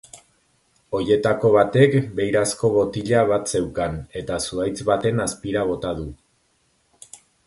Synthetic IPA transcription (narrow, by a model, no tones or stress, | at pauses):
o̞je̞t̪ako̞β̞at̪e̞kbe̞jɾasko̞βo̞t̪iʎaβ̞at̪se̞wkane̞t̪asuajt͡sβat̪e̞naspiɾaβ̞o̞t̪að̞u